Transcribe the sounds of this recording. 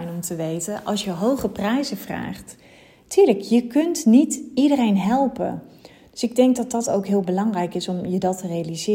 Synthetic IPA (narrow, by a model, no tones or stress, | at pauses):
jnɔmtəʋejtəʔɑ̰lˠsjəɦowχəprɛjzəv̥ra̰ːχt | tʰyːɹləkjəkɵntnitidərejnɦɛlˠpə̰ | d̥øsɪɡ̚dɛŋk̚dɑt̚dɑtowkɦɪːlˠbəlɑŋrɛjkɪsɔmjədɑtərejalizɪː